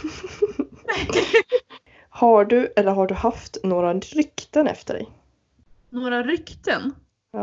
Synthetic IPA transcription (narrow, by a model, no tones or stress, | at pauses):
haɖɵʔɛlːəɾɦaɖɵhaft̪noːɾaɾʏkt̪ənɛ̰ft̪əɖɛ̰j | noːɾaɾʏkt̪ənː